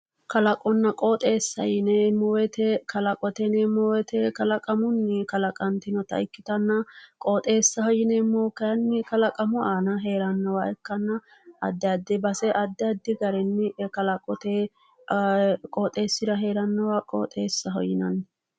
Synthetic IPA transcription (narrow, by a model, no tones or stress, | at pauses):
kɐlɐkʼɔnːɐkʼoːt̪ʼe̞ːsːɐ̰jɪnemːɔwɛt̪ɛkɐlɐkʼɔt̪ɛnɛmɔwɛt̪ɛkɐlɐkʼɐmʊnːɪkɐlɐkʼɐnt̪ɪnɔt̪ɐ̰ɪkːɪt̪ɐnːɐkʼoːt̪ʼe̞ːsːɐɦɔjɪnemːoːkɐɐnːɪkɐlɐkʼɐmɔaːnɐɦeːɾɐnːɐwɐɛkːɐnːɐ | ɐ̰d̪ːɛɐd̪ːɪbɐsɛʔɐd̪ːɛɐd̪ːɪɡɐɾɛnːɪkɐlɐkʼɔt̪e | kʼoːt̪ʼe̞ːsːɪd̪ɐɦe̞ːɾɐnːɐwakʼo̰ːt̪ʼeːsːɐɦɔ̰jɪnɐn